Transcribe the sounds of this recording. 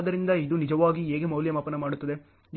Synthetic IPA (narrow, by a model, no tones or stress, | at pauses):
d̪ɐɾind̪ɐid̪unid͡ʒɐʋaːɡieːɡemɐwljɐmaːpɐnɐmaːɽut̪ːɐd̪e̞